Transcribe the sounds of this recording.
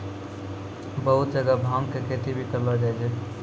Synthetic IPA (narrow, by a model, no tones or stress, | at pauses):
bəɦut̪̚d͡ʒəɡabʱamkekʰet̪ibʱikəɾləd͡ʒad͡ʒʰɛ